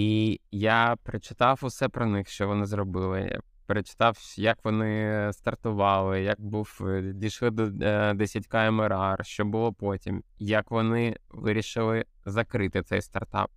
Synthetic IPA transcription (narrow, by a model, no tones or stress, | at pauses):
ijapɾɪt͡ʃɪ̥t̪ɑwʊsɛpɾɔnɪxʃt͡ʃɔʋɔnɪzrɔbɪlˠɪ̰ | pɾet͡ʃɪ̥t̪ɑwjɐkʋɔnɪst̪ɐrt̪ʊʋɑlˠɪjɐk̚buwdʲiʃlˠɪd̪ɔd̪ɛsʲɐtʲkɑemɪɾɑrʃt͡ʃɔbʊlˠɔpɔtʲimjɐkʋɔnɪʋɪɾʲiʃɪlˠɪ | zɐkɾɪt̪ɪt̪sɛjst̪ɐ̰rt̪ɑ̰p̚